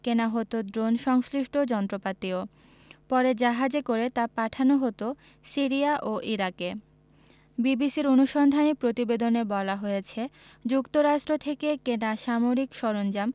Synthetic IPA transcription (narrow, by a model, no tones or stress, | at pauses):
kenaɦot̪od̪ɾonʃɔŋsliʃʈʰod͡ʑɔnt̪ɾopat̪io | pɔɾed͡ʑaɦad͡ʑekoɾet̪apaʈʰanoɦot̪o | siɾiaʔoʔiɾake | bibisiɾonuʃɔnd̪ʱanipɾot̪ibed̪onebɔlaɦojet͡ɕʰed͡ʑukt̪oɾaʃʈɾot̪ʰekekenaʃamoɾikʃɔɾond͡ʑam